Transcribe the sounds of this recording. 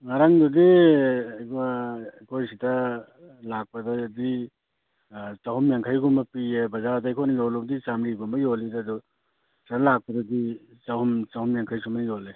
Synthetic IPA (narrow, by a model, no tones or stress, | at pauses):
ŋaɾaŋdudi | k | kʰojsitɐ | lak̚pɐdɐdi | t͡ʃahumjaŋkʰajɡumbɐpiebɐzadajkʰojnɐjoluk̚disamɾiɡumbɐjolidadu | sanalak̚pɐdɐdi | t͡ʃahumt͡ʃahumjaŋkʰajsumɐjole